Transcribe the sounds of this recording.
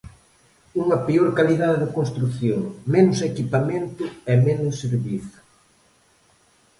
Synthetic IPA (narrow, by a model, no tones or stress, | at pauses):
uŋɐpeoɾkaliðaðɪðɪkonst̪ɾuθjoŋmenʊsekipamẽnt̪ʊɛmenʊsːeɾβiθʊ̥